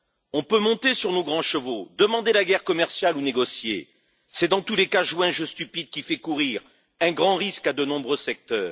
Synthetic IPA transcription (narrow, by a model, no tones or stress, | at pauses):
ɔ̃pømɔ̃t̪esyʁnoɡʁɑ̃ʃəvod̪əmɑ̃d̪elaɡɛʁkɔmɛʁsjaluneɡɔsjḛ | sɛd̪ɑ̃t̪ulekaʒwɛ̃ʒəst̪ypid̪̚kʲifɛkuʁiʁ | ɛ̃ɡʁɑ̃ʁiskad̪ənɔ̃bʁøsɛk̚t̪œːʁ